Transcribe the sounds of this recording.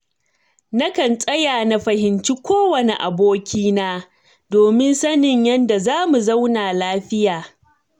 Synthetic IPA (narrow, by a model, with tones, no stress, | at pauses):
na˦kɐ˨nsʼɐ˦jaː˨na˦ɸɐ˨hɪ˨nt͡ʃi˦kʷoː˦wɐ˨ne˨ʔa̰˨boː˦kʲiː˦naː˦ | doː˨mɪ˦nsɐ˦nɪ˨ɲjɐ˦nda˨zaː˦mu˨zɐ˦wnaː˨laː˦ɸɪ˦jaː˨